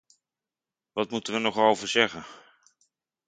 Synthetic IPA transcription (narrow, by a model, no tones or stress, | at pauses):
ʋɑtmutənʋənɔχowvəɹzɛχən